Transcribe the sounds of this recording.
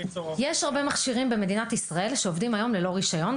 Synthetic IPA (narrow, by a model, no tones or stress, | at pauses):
jeʃhaʁbemaχʃiʁimbeme̞d̪inat̪isʁae̞lʃeovdimajo̞mle̞lo̞ʁiʃajo̞n